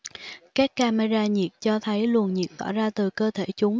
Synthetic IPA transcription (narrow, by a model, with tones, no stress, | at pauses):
kaː˦˥kːaː˧ma˧zaː˧ɲi˨˩əp̚t͡ɕɔ˧t̪ʰə˨˦jlu˨˩ənɲḭ˨˩k̚t̪ɔ̰˧˩zaː˧t̪ɨ˨˩kəː˧t̪ʰe˧˩t͡ɕʊ˨˦ŋ͡m